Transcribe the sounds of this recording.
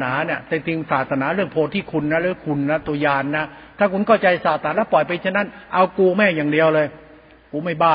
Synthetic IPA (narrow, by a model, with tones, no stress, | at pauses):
naː˩˦ni˥˩ət̪e˧t̪ʰɯ˧ŋsaː˨˩t̪sʰa˧naː˩˦ɾɯ˥˩əŋpʰoː˧˩t̪ʰːiː˥˩kʰu˧nːa˦˥ɾɯ˥˧˥ŋkʰu˧nːa˦˥t̪u˧ɐjaː˧nːa˦˥t̪ʰaː˥˩kʰu˧nkʰa˥˩wt͡ɕa˧jsaː˨˩t̪̚ʰaː˨˦lɛː˦˥˩pɔ˨˩jpa˧jt͡ɕʰaː˥˩na˦˥nʔa˧wkuː˧mɛː˥˩jaː˨˩ŋdi˧əwlɤː˧j | kuː˨˩˦ma˥˩jbaː˥˩